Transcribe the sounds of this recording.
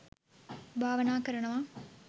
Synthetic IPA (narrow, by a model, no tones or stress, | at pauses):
bʱaːʋɐnaːkɐɾɐɳɐmaː